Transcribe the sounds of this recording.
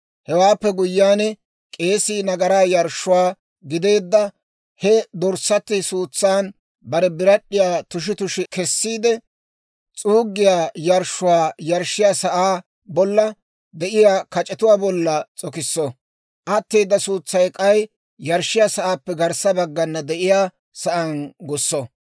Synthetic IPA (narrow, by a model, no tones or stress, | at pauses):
hɛwaːpːɛɡʊjːaːnɛ | kʼe̞ːsiːnɐɡɐɾaːjɐɾʃːʊwaː | ɡɪd̪e̞ːd̪ːɐ | hɛd̪ɔɾsːɐt̪ːɪsuːt͡sːaːn | bɐɾɛbɪɾɐɗːɪjaːt̪ʊʃ̬ɪt̪ʊʃɪkɛsːiːd̪ɛ | t͡sʼuːɡːɪjaːjɐɾʃʊwaːjɐɾʃːɪjaːsɐʔaː | bɔlːɐ | d̪ɛʔɪjaːkɐt͡ʃʼɛt̪ʊwaːbɔlːɐt͡sʼɔkɪsːɔ | ʔɐt̪ːeːd̪ːɐsuːt͡sːɐjkʼɐj | jɐɾʃɪjaːsɐʔaːpːɛɡɐɾsɐbɐɡːɐnːɐd̪ɛʔɪjaː | sɐʔɐnɡʊsːɔ